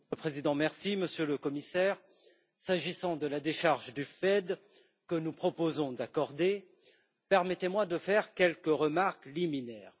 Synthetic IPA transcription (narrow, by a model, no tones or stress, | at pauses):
əpχezid̪ɑ̃mɛʁsiməsjøləkɔmisɛːʁ | saʒisɑ̃d̪əlad̪eʃaʁʒd̪yfɛd̪ | kənupχɔpozɔ̃d̪akɔʁd̪e | pɛʁmɛt̪emwad̪əfɛʁkʲɛlkəʁəmaʁkliminɛːʁ